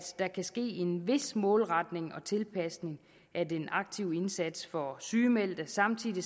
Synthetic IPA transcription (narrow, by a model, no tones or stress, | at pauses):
d̥d̥ɑ̈kʰæsɡ̥e̝̰ːe̝nʋe̝smɔ̽ːlʁɑ̈d̥ne̝ŋɒ̽t͡sʰe̝lpʰæsne̝ŋ | ʔædenʔɑ̈ɡ̥̚t͡sʰiʊ̰e̝nsæd̥sfɒ̽syːmel̰d̥ɐsɑ̈mt͡sʰiðˠi